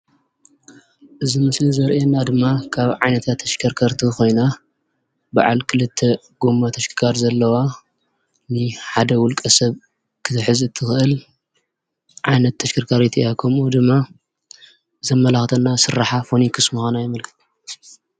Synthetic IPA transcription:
ʔɨzimɨslizɐɾʔenːad̪ɨmːakʰaβʕajnɐt̪ʰat̪ʰːɐʃkʰɐɾkʰɐɾt̪ʰiko̞jna | ba̰ʕa̰lkʰɨlɨt̪ʰːe | ɡ̥omːat̪ʰɐʃkʰɨkʰaɾzɐlːɐwa | nɨħad̪ɐwʊlkʼɐsɐβ | kʰɨt̪ʰɨħɨzɨt̪ʰːɨxɨʔɨl | ʕajnɐt̪ʰːɐʃkʰɐɾkʰaɾit̪ʰiakʰɐmud̪ɨmːa | zɐmːɐlaxt̪ʰɐnːasɨɾːaħafonikʰɨsmɨxanajɛmɐlkʰɨ̥t̪ʰ

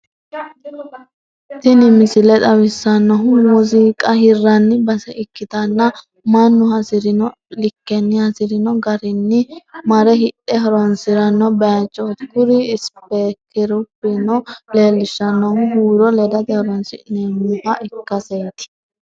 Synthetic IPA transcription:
t̪ɪnɪmɪsɪlɛt̪ʼɐwɪsːɐnːɔɦʊmʊziːkʼɐhɪrːɐnːɪbɐsɛʔɪkːɪd̪ɐnːɐ | mɐnːʊhɐsɪɾɪnɔ | lɪkːɛnːɪhɐsɪɾɪnɔɡɐɾɪnːɪmɐɾɛɦɪᶑɛɦɔɾɔnsɪɾɐnːɔbet͡ʃʼːɔt̪kʊɾɪːspɛkɪɾʊpːɪnɔleːlːɪʃːɐnːɔhʊɦuːɾɔlɛd̪ɐd̪ɛhɔɾɔnsɪ̰nemʊhɐʔɪkːɐseːt̪ɪ̥

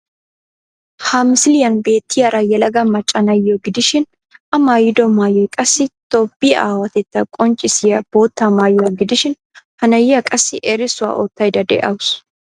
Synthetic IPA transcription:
haːmɪsɪlɪjɐnbe̞ːt̪ːɪjɐɾɐjɛlɐɡɐmɐt͡ʃʼːɐnɐjːoɡɪd̪ɪʃɪn | ɐmaːjɪd̪ɔmaːjɔjkʼɐsːɪt̪obːia̰ːwɐt̪ɛt̪ːɐkʼɔnt͡ʃʼɪsɪjɐb̥oːt̪ːamaːjɔɐɡɪd̪ɪʃɪn | hɐnɐjɪjɐkʼɐsːɪʔɛɾɪsʊwa̰ʔot̪ːɐjd̪ɐd̪ɛ̰ʔɐwʊs

